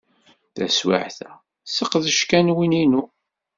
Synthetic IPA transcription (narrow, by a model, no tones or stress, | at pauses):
θæ̰swa̰ʕθæ | səqðəʃkænwininu